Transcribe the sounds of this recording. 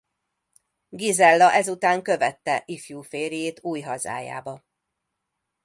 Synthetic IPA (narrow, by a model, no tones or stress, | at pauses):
ɡizɛlːɒʔɛzut̪aːŋkø̞vɛt̪ːɛʔifjuːfeːɾijeːt̪uːjɦɒza̰ːja̰ːbɒ